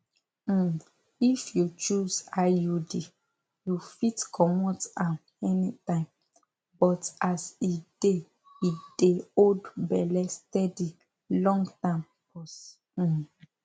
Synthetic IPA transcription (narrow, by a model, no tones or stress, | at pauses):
ifjut͡ʃuzajudi | jufitkʰɔmɔtãm | ɛnitãɪ̃m | bɔtaside | ideodbɛlɛstɛdi | lɔ̃ŋɡtam | pɔs̩